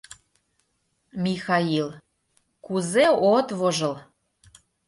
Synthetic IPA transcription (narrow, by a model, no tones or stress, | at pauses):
mʲixɑil | kuzeot̪βoʒɤ̆l